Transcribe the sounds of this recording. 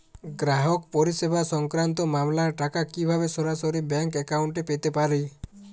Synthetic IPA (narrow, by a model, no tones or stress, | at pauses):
ɡɾaɦɔk̚pɔɾisebʱasɔŋkɾant̪ɔmamlaɾʈakakibʱabesɔɾasɔɾibɛŋkɛkawɳʈepet̪epaɾi